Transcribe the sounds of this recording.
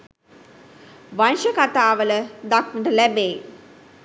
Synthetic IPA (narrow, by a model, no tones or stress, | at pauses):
ʋanʃəkat̪aːʋələd̪aknəʈəlæbeː